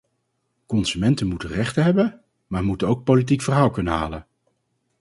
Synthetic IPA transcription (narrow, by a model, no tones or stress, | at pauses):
kɔnsymɛntənmutərɛχtəɦɛbən | maːɹmutənowk̚powlit̬ikfərɦaːlˠkɵnəɦa̰ːlən